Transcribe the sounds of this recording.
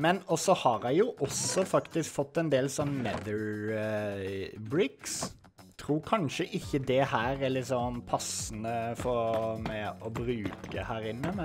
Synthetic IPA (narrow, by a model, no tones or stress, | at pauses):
mɛnɔsɔhɑɾɑɪjʊʔɔsɔfɑkt̪ɪskfɔt̪ːɛnd̪eːlsɔnːmɛd̪əɾ | bɾɪks | t̪ʰɾuːɾkʰɑnʃəʔɪçːəd̪ɛhæːɾælɪt̪sɔnpʰɑsənəfɔmɛɔbɾʉːkə̰hæːɾɪnːəmɛ